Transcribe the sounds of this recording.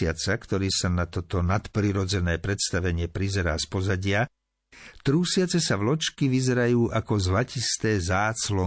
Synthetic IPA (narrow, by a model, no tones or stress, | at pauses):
ɪat͡sakt̪ɔɾiːsanat̪ɔt̪ɔnat̪pɾiɾɔd͡zɛnɛːpɾɛt̪st̪aʋɛɲɪɛpɾizɛɾaːspɔzaɟɪa | t̪ɾuːsɪat͡sɛsavlɔt͡ʃkiʋizɛɾajuːʔakɔzlacist̪ɛːzaːt͡slɔ